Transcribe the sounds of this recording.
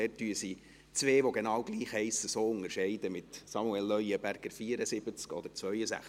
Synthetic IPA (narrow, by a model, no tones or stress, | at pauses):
ɛːtːyəsi | t͡sʋeːʋoɡenɑːwɡliːχɛɪsəsoːʊŋəɾʃɛɪd̪əmɪt̪sɑmuɛlːœʏəbæɾɡ̥əɾfiːəɾəsɪb̥ət͡skɔ̰d̪əɾt͡sʋœʏəsæ̰χ